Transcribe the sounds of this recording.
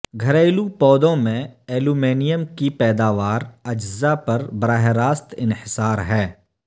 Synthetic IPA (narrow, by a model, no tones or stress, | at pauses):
ɡʱɐɾaːɪlupɔːd̪õmẽeːlumeːnijəmkipɛːd̪aːʋaːɾɐd͡ʒzapɐɾbɾaːɦeɾaːst̪ɪnhɪsaːɾɦɛː